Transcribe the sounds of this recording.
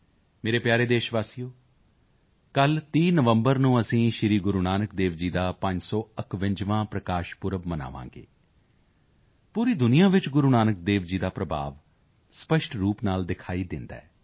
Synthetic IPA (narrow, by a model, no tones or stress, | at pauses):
meːɾeːpjaːɾeːd̪eːʃʋaːsijoː | kəlt̪iːnəʋə̃mbəɾnũːəsĩːʃɪɾiːɡʊɾunaːnək̚d̪eːʋd͡ʒiːd̪aːpəɲd͡ʒsɔːəkʰʋɪ̃ɲd͡ʒʋãːpɾəkaːʃpʊɾəbməna̰ːʋã̰ːŋɡḛː | puːɾiːd̪ʊnijãːʋɪt͡ʃɡʊɾunaːnək̚d̪eːʋd͡ʒiːd̪aːpɾəbʱa̰ːʋ | sə̥pəʃʈɾuːpnaːld̪ɪkʰaːiːd̪ɪnd̪a̰ːɛː